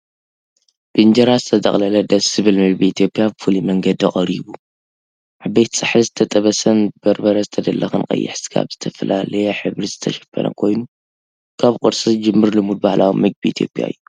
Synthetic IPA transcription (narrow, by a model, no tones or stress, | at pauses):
b̥ɨnd͡ʒɐɾazɨt̪ʰɐt̪ʼɐ̰χʼlɐlɐd̪ɐsɨβɨlmɨɡ̚biit̪ʰijo̞pʼːjabɨfulimɐŋɡɐd̪ɨχʼɐɾiβu | ʔabɐjt̪sʼɨħɨzɨt̪ʰɐt̪ʼɐβɐsɐnbɨbɐɾbɐɾɐzɨt̪ʰɐd̪ɐlːɐxɨnkʼɐ̰jːɪ̰ħsɨ̥ɡa̰βz̥ɨt̪ʰɐfɐlalɐjɛħɨβɾizɨt̪ʰɐ̰ʃɐ̥fɐ̰nʔɐ̰kʰo̞jnu | kʰaβkʼɨɾsʼɨd͡ʒɨmːɨɾlɨmud̪̚bahlawimɨɡ̚biʔiːt̪ʰijo̞̰pʼja̰ɨ̰jːu